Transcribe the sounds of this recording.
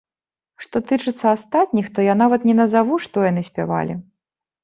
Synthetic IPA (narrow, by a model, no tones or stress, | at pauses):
ʂt̪ɔt̪ɨt͡ʂɨt̪sːɐast̪at̪̚ʲnʲixt̪ɔjanavɐt̪nʲɛnɐzavuʂt̪ɔjan̪ɨsʲpʲa̰va̰lʲi